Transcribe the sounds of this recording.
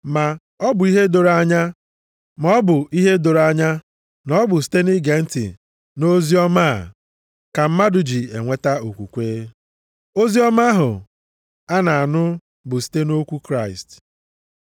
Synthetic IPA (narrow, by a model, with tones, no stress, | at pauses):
ma˨ | ɔ˦bʊ˨i˦ɦe˦do˨ɾa˦ɲa˦ | mɔ˦bʊ˨i˦ɦe˦do˨ɾa˦ɲa˦ | nɔ˦bʊ˨s̬i̥˦te˦ni˦ɡe˨n̩˦tḭ˨ | no˦zi˦ɔ˦ma̰˦˨ | ka˨m̩˦ma˦dʊ˨d͡ʒi˨e˨ŋʷe˦ta˦o˨kʷu˨kʷeː˦ | o˦zi˦ɔ˦ma˦ɦʊ̰˨ | a˦na˨a˨nʊ˦ | bʊ˨si̥˦te˦no˦kʷu˦kɾa˦˨ɪ˨st